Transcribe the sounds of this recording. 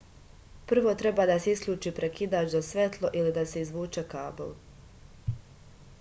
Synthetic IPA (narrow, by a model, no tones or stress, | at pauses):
pr̩ʋo̞t̪ɾe̞baːd̪aseisklʲuːt͡ʃiːpɾekid̪aːt͡ʃd̪osʋet̪lˠo̞ʔilid̪ase̞izʋuːt͡ʃekaːbo̰l